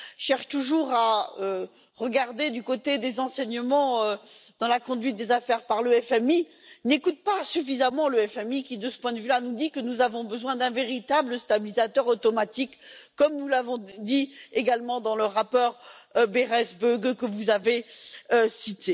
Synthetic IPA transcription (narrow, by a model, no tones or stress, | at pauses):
ʃɛʁʃt̪uʒuʁaø | ʁəɡaʁd̪ed̪ykot̪ed̪ezɑ̃sɛɲəmɑ̃ød̪̥ɑ̃lakɔ̃d̪ɥit̪̚d̪ezafɛʁpaʁløɛfɛmi | nekut̪̚pasyfizamɑ̃løɛfɛmikʲid̪əsə̥pwɛ̃d̪vylanud̪ikənuzavɔ̃bəzwɛ̃d̪ɛ̃veʁit̪abləst̪abilizat̪œʁot̪ɔmat̪ikːɔmnulavɔ̃d̪ieɡalmɑ̃d̪ɑ̃ləʁapɔʁbeʁɛsbøɡkəvuzaveøsit̪e